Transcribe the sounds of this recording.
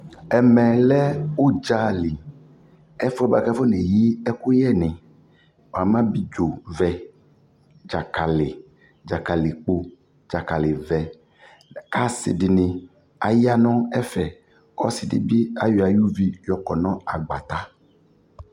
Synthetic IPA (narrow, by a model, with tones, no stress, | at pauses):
ɛ˨mɛ˨lɛ˦wo˦d͡ʒa˨li˨ | ɛ˦fɔ˦ba˨kɛ˦fo˦nẽ˨ji˦ɛ˦ku˦jɛ˦˨nɛ̃˨ | wa˨mã˦bi˦d͡ʒo˨vɛ˨ | d͡ʒa˨ka˨le˨ | d͡ʒa˨ka˨li˨k͡po˦ | d͡ʒa˨ka˨le˨vɛ˨ | a˦sḭ˨di˨nĩ˨ | a̰˨ji˦a˦nɔ̃˦ɛ˦fɛ˨ | ɔ̰˦si˨dḭ˦bi˦a˦jo˨a˨ju˦vi˦jɔ˨kɔ˨nɔ̃˦a˨ɡ͡ba̰˨t̪a˦